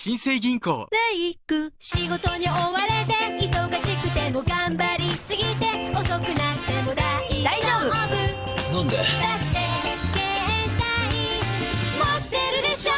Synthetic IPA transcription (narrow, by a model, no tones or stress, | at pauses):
ɕĩɰ̃seiɡʲĩŋko̰ːnaikɯ̟ɕiɡo̞t̪o̞ɲ̟io̞βaɾe̞t̪e̞iso̞ɡaɕikɯ̟t̪e̞mo̞ɡãmbaɾʲisɨɡʲit̪e̞o̞so̞kɯ̟nat̪ːe̞mod̪ad̪aioːbɯbɯ | nãnd̪ed̪at̪ːekeẽnt̪aɲ̟i | mot̪ːe̞ɾɯ̟d̪eɕo